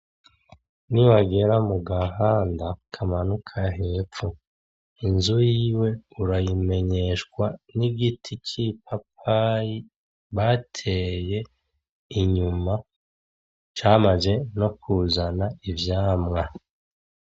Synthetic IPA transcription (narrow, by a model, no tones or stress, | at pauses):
niwaɡe̞ɾamuɡaɦaːndakʰamanukʰaɦe̞ːp͡fu | inzujiːwe̞uɾajime̞ɲe̞ʃkwaniɡitʰicʰip̚ap̚ʰaji | βatʰe̞je̞ | iɲuma | t͡ʃaːmaze̞no̞kuːzanaivjaːmŋa